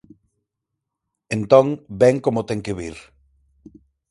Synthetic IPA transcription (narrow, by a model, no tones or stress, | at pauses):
ẽnt̪õŋbɛŋkomot̪ɛŋkɪβiɾ